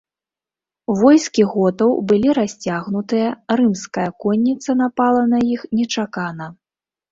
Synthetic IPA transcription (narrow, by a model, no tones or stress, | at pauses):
vɔjskʲiɣɔt̪ɐwbɨlʲiɾasʲt͡sʲaɣnut̪ɨjɐɾɨmskɐjɐkɔnʲːit̪sɐn̪apalˠɐnɐjixnʲɛt͡ʂakanɐ